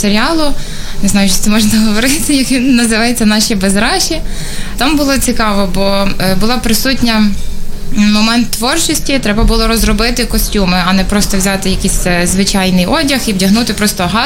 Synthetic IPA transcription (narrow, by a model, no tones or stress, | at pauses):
seɾʲiɑlˠʊ | nɪznɑjʊʃɛt̪ɛmɔʒnɐɦɔʋɔɾɪsʲɪjɐkʋʲinːɐzɪʋɑjet͡sʲːɐnɑʃibezɾɑʃʲi | t̪ɑmbʊlˠɔt͡sʲikɑʋɔbɔbʊlˠɔpɾɪsutʲnʲɐ | mɔmɛnt̪ːʋɔrt͡ʃɪsʲtʲit̪ɾɛbɐbʊlˠɔɾɔzrɔbɪt̪ɪkɔsʲtʲumɪɐnɛpɾɔst̪ɔwzʲɑt̪ɪjɐkʲisʲɛzʋɪt͡ʃɑjnɪjɔdʲɐxiwdʲɐɦnut̪ɪpɾɔst̪ɔɦɑ